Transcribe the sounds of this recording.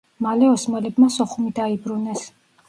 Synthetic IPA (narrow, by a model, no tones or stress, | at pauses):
malɛɔsmalɛbmasɔχumid̪aibɾunɛs